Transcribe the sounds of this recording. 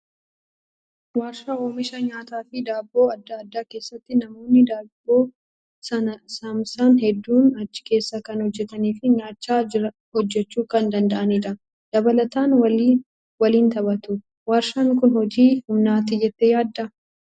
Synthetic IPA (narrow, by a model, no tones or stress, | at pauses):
waːɾʃɐoːmɪʃɐɲaːt̪aːfɪd̪aːbːo̞ːɐd̪ːɐːd̪ːaːke̞ːsːɐt̪ːɪnɐmo̞ːnːɪd̪aːbo̞ː | sɐnɐsɐmsaːnhɛd̪ːuːnɐt͡ʃːɪ̥ke̞ːsːɐkɐnhɔd͡ʒːɛt̪ɐniːfɪɲaːt͡ʃːaːɾɐ | hɔd͡ʒːɛt͡ʃːuːkɐnd̪ɐnd̪ɐʔɐniᶑɐ | d̪̥ɐbɐlɐt̪aːnwɐli | wɐliːnt̪ɐbɐt̪ʊ | waːɾʃaːŋkʊnhɔd͡ʒiːhʊmnaːt̪ɪd͡ʒɛt̪ːejaːd̪ːɐ